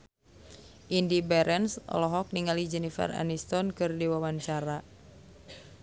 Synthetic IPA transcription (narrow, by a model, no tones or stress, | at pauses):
ʔindibɛɾʔɛnsɔ̰lɔɦɔk̚niŋalid͡ʒɛnifɛ̰ra̰nist̪ɔnkɨrdiwawaɲt͡ʃaɾa